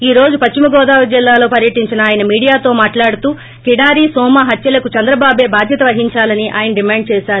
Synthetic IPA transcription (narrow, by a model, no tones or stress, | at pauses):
iːɾo̞ːd͡ʒupɐt͡ʃt͡ʃimɐɡɔːd̪aːʋɐd͡ʒilːaːlo̞ːpɐɾjɐʈiɲt͡ʃinɐaːjɐnɐmiːɽijaːt̪o̞ːmaːʈlaːɽut̪uː | kiɽaːɾisɔːmɐɦɐt̪jɐlɐkut͡ʃɐnd̪ɾɐbaːbeːbaːd̪ʱjɐt̪ɐʋɐɦiɲt͡ʃaːlɐniʔa̰ːjɐnɐɖimaːɳɖ̚t͡ʃɛːʃaːɾu